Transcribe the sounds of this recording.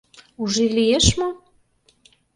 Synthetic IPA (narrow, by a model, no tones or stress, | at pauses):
uʒilieʃmo